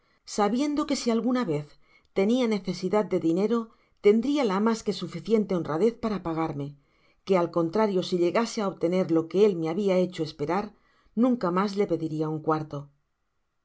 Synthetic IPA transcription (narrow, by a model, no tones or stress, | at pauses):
saβje̞nd̪o̞ke̞sialɣunaβe̞θ | t̪e̞niane̞θe̞siðat̪̚d̪e̞ðine̞ɾo̞ | t̪e̞nd̪ɾialamaske̞sufiθje̞nt̪e̞o̞nraðe̞θpaɾapaɣ̞aɾme̞ | ke̞alko̞nt̪ɾaɾjo̞siʎe̞ɣaseaoβt̪e̞ne̞ɾlo̞ke̞e̞lme̞aβiae̞t͡ʃo̞e̞spe̞ɾaɾ | nũŋkamazle̞pe̞ðiɾiauŋkwaɾt̪o̞